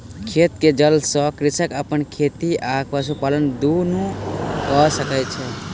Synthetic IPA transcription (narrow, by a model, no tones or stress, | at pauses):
kʰet̪ked͡ʒəlsɔkɾisəkəpənkʰet̪iʔakʰpas̬upalənd̪unũkɔsəkət͡ʃʰɛ